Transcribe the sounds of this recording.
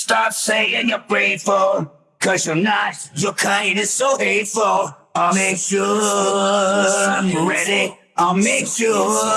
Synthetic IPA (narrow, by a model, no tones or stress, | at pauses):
stɑpseɪɪ̃ŋjə˞bɹeɪfon | kʰʌzjə˞natjə˞kʰãɪ̃nɨz̥soʊheɪtfl̩ˠ | aɪmeɪku | ãɹɛɾi | aɪlˠmeɪku